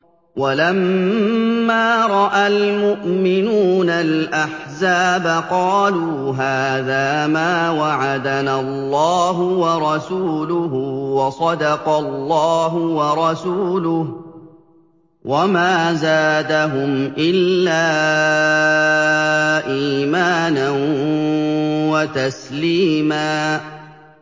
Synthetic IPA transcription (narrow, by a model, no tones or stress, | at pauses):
walamː | aːɾˤɑʔalmʊʔmɪnuːnalʔaħzaːbaqɑːluːɦaːðaːmaːwaʕad̪analˤːɑːɦʊwɑɾˤɑsuːlʊɦʊwɑsˤɑd̪ɑqɑlːɑːɦʊwɑɾˤɑsuːlʊh | wʔamaːzaːd̪aɦʊmʔɪlːaː | ʔiːmaːnan | wat̪asliːmaː